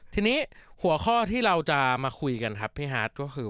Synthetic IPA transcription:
t̪ʰiː˧niː˦˥hu˨˩˦ɐxʰɔː˥˩t̪ʰiː˥˩ɾa˧wt͡ɕa˨˩maː˧xʰu˧jka˧nkʰa˦˥p̚ʰːiː˦˥˩ɦaː˦˥t̪̚kɔː˥˩xʰɯː˧

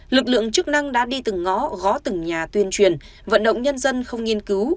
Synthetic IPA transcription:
lɨ˨˩k̚lɨ̰˧˨əŋt͡ɕɨ˦˥k̚na˧ŋɗa̰ː˧˥ɗi˧t̪ɨ˨˩ŋːɔ˨˦ɣɔ˨˦t̪ɨ˨˩ŋɲaː˨˩t̪wi˧ənt͡ɕwi˨˩ən | və̰˧˨nɗə̰˧˨wŋ͡mɲə˧nzə˧nxə˧wŋ͡mŋi˧ənkɨ˨˦w

